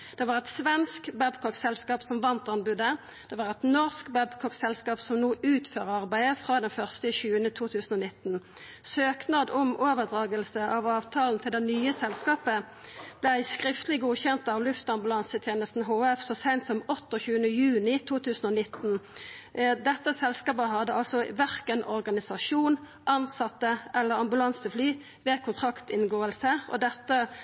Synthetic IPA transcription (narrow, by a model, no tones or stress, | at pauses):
d̪̥ɛʋɑːʁɛt̪sʋɛnskbæbkʰɔksɛlskɑːpsɔmʋɑnt̪ɑnbʉd̪ə | d̪̥ɛʋɑːʁɛt̪nɔʁskbæbkʰɔksɛlskɑːpsɔmnuːʔʉːt̪føːʁəɑʁbæɪəfʁɑːd̪ɛnfœʁst̪əçʉːənət̪ʰuːt̪ʰʉːsn̩ɔnɪt̪n | søːknɑːd̪ɔmoːʋəʁd̪ʁɑːɡəlsəʔɑʋɑːʋt̪ʰɑːln̩t̪ʰɪld̪ɛnyːəsɛlskɑːpə | b̥læɪskʁɪft̪lɪɡuːçɛnt̪ɑʋlʉft̪ɑmbʉlɑnsət̪ʰjeːnəst̪n̩ɦoːɛfsɔsæɪnt̪sɔmɔt̪ːɔçʉːənəjʉːnɪt̪ʰuːt̪ʰʉːsn̩ɔnɪt̪n̩ | d̪ɛt̪ːəsɛlskɑːpəɦɑd̪əɑlsɔʋæʁkənʔɔʁɡɑnɪsɑʂuːn | ʔɑnsɑt̪ːəʔɛlːəʁɑmbʉlɑnsəflyː | ʋeːkʰʊnt̪ʰʁɑkt̪ɪnɡoːəlsəɔ̰d̪ɛt̪ːə